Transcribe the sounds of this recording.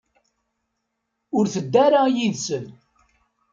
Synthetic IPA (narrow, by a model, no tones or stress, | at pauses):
ʊɾθəd̪ːæɾajiðsən